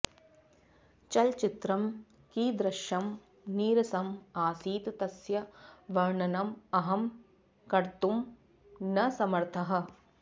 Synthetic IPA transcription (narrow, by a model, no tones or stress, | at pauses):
t͡ʃɐlt͡ʃit̪ɾɐm | kiːd̪ɾɐʃjɐm | niːɾɐsɐmaːsiːt̪t̪ɐsjɐʋɐɾɳɐnɐmɐɦɐm | kɐɾt̪um | nɐsɐmɐɾt̪ʰɐɦɐ̆